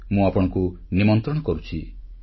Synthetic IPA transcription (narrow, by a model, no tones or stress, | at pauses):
mũapɔɽ̃ɔŋku | nimɔnt̪ɾɔɽ̃ɔkɔɾut͡ʃʰi